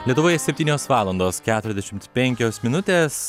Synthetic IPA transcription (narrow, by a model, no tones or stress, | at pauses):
lʲiɛt̪ʊʋoːjɛsʲɛpʲt̪ʲiːnʲoːsʋɑːlˠɐnd̪oːskʲæːt̪ʊɾʲɛzd̪ʲɛʃʲɪmt̪pʲɛŋʲkʲoːsmʲɪnʊt̪ʲeːs